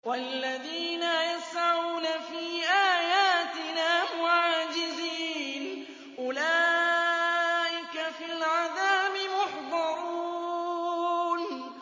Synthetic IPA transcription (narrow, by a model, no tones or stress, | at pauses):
walːaðiːnajasʕaʕuːnafiːʔaːjaːt̪ɪnaːmʊʕaːd͡ʒɪziːn | ʔʊlaː | ʔɪkafilʕaðaːbɪmʊħd̪ˤɑɾˤu | n